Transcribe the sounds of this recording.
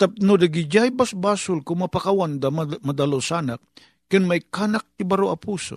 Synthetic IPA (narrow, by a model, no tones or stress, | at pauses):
t̪ap̚nʊd̪aɡɪd͡ʒajbasbaːsʊlkʊmɐpakawand̪ammɐd̪alosanak̚ː | ɪnmajkaːnak̚t̪ɪbaɾoʔɐpuːso̰